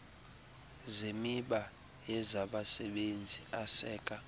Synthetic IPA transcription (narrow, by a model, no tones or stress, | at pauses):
zemiɓa | jɛzaɓasɛɓend͡zʱiʔasɛːkʼa